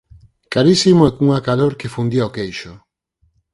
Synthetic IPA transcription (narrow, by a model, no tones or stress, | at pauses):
kaɾisimoɛkuŋakaloɾkefund̪iaokejʃʊ